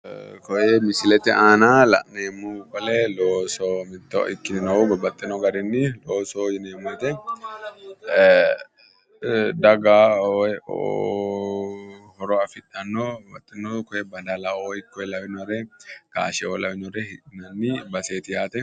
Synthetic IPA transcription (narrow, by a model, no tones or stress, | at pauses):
kɔjɛmɪsɪlɛt̪ɛaːnaːlɐ̰ʔneːmːukʼɔlɛloːsomɪt̪ːo̰ɪkːɪnɪnɐubɔbːɐt̪ʼːɛnɔɡɐɾɪnːɪloːsoɪneːmːt̪ɛ | d̪ɐɡaːoo̰ | hɔɾɔɐfɪᶑɐnːowɐt̪ʼːɪnːokɔjɛbɐd̪alaoːɪkːɔɛlɐwɪnɔɾɛka̰ːʃɛoːlɐwɪnɔɾɛhɪnɐnːɪbɐseːt̪ɪjaːt̪ɛ